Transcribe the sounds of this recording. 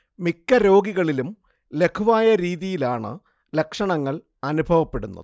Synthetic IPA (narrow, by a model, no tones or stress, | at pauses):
mikːɐɾo̞ːɡiɣɐɭilum | le̞kʰuʋaːjɐɾiːðijilaːɳɨ̰ | le̞kʂɐɳɐŋːɐɭ | ɐnubʱɐʋɐpːe̞ɽunːɐ̰ðɨ